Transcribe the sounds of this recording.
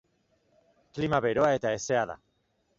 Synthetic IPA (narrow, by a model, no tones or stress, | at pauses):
klimaβeɾo̞ae̞t̪ae̞se̞aða̰